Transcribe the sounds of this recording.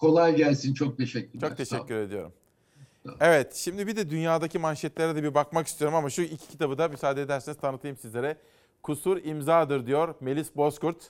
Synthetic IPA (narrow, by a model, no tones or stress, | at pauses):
kʰo̞lˠajɟælʲsint͡ʃʰok̚t̪ʰeʃɛcʲːyɾt͡ʃok̚t̪ʰe̞ʃɛcːyɾe̞d̪ijo̞̰ɾṵm | evɛt̪ʃimd̪ibid̪ɛd̪ynjaːd̪acʰimanʃɛt̪lʲeɾɛd̪ɛbibakmakist̪ʰijo̞ɾumamaʃuilʲcʰi̥cʰit̪ʰabɯd̪amysaːd̪ed̪æɾseinizt̪ʰanɯt̪ʰɯjɯmsizlʲe̞ɾɛ | kʰusuɾimzaːd̪ɯɾd̪ijo̞ɾme̞lʲisbo̞skuɾt̪